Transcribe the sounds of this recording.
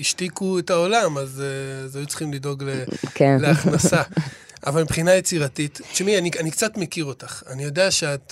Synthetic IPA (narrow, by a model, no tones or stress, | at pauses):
iʃtikuetao̞lamazzajut͡sl̥χimlido̞ɡlekenleaχnasa | a̰valmpχinaje̞t͡siʁatitʃmianianikt͡satme̞kiʁo̞taχa̰nijo̞deaʃeat